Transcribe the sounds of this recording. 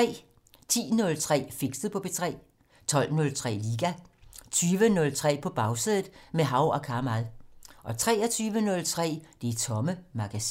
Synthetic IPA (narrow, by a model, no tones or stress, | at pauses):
t͡sɛ̰ː | t͡sʰḭːnɔ̽lt͡sʰʁɛ̰ːfeɡ̥sd̥əð̩ˠpʰɒ̽b̥e̝t͡sʰʁɛ̰ː | t͡sʰɒ̽l̰nɔ̽lt͡sʰʁɛ̰ːliːɡ̥æt͡sʰyːʋənɔ̽lt͡sʰʁɛ̰ːpʰɒ̽b̥ɑ̈ʊseðˠð̩ˠmeɦɑ̈ʊɒ̽kʰɑ̈mæðˠʔɒ̽t͡sʰʁɛ̰ːɒt͡sʰyːʋənɔ̽lt͡sʰʁɛ̰ːd̥e̝t͡sʰɒ̽məmɑ̈ɡ̥æsi̥